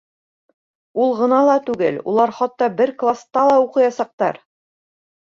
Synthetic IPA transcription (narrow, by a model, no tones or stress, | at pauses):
ulˠʁɤ̆nɑlˠɑt̪ʉɡɘlṵlˠɑɾχɑt̪ːɑbɘɾklˠast̪ɑlˠɑuqɤ̆jɑsɑq̚t̪ɑɾ